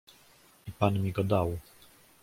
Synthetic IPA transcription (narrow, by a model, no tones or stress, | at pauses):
ipanmʲiɡɔd̪aw